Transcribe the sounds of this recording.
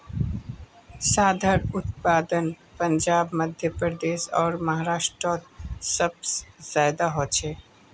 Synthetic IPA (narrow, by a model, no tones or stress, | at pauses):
saːd̪ʱəɾʊt̪paːd̪ənpəɲd͡ʒaːbməd̪ʱjəpɾɾəd̪eːʃɔːɾmɐɦaɾaːʃʈɾoːt̪səb̚sz̥aːjd̪aɦoːt͡ʃʰeː